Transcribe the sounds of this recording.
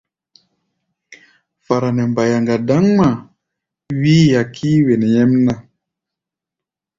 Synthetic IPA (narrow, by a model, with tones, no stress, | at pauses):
fa˨ɾa˨nɛ˨mba˨ja˨ŋɡa˨da˦ŋma˨ | wiː˦ja˨kʰi˦we˨nɛ˨ɲɛ˦mna˦˨